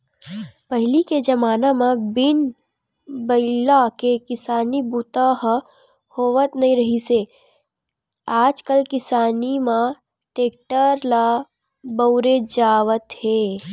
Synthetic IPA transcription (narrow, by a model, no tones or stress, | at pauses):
pəɦɪliked͡ʒɐmaːnamãbɪn | bəɪlakekɪsaːnibut̪aɦ | hoːʋət̪nɐɦĩɾɐɦiseː | aːd͡ʒkəlkɪsaːnimã | ʈeːk̚ʈəɾla | bəʊɾed͡ʒaːʋət̪heː